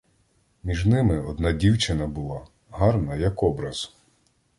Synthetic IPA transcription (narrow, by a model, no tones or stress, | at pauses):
mʲiʒnɪmɪɔd̪nɑdʲiwt͡ʃɪnɐbʊlˠɑ | ɦɑrnɐjɐkɔbɾɐz̥